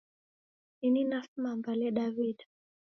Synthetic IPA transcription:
nininafmambalɛɗavid

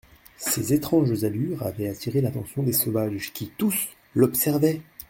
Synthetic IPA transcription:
sezet̪χɑ̃ʒzalyʁa̰vɛat̪iʁelat̪ɑ̃sjɔ̃d̪esɔvaʒkʲit̪us | lɔpsɛʁvɛ

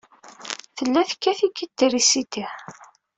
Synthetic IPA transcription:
θəlːæθkːæθikːit̪ːirisit̪iħ

